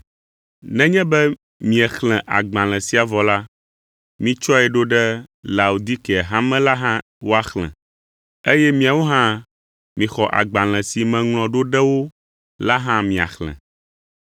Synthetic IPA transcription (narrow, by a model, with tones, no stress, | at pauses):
nɛ̃˦ɲɛ̃˦bɛ˦ | mĩ˨ɛ˨xlɛ̃˨ʔa̰˨ɡ͡bã˨l̃ɛ̃˨si˦a˨vɔ˨la˦ | mĩ˦t͡ʃɔ˦ɛ˨ɖo˦ɖɛ˦la˨u˨d̪i˦kɦã˦mɛ̃˦la˦ɦã˦ | wo˦a˦xlɛ̰̃˨ | e˦jɛ˦mĩ˦a˨wo˦ɦã˦ | mĩ˨xɔ˨ʔa̰˨ɡ͡bã˨l̃ɛ̃˨si˨mɛ̃˨ŋl̃ɔ̃˨ɖo˦ɖɛ˦wo˦ | la˦ɦã˦mĩ˨a̰˨xlɛ̰̃˨